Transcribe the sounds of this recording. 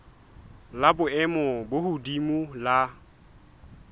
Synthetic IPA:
labʊɛmʊbʊhudimula

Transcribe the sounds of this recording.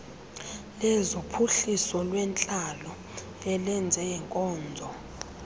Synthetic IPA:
lɛzopʰuɬisɔlwɛnt͡ɬʼalɔ | ɛlɛnd͡zʱɛɛŋkʼɔːnd͡zʱɔ

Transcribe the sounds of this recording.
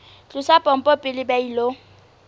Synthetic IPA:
t͡ɬʼusapʼɔm̩pʼɔpʼɪlɪbɛilo

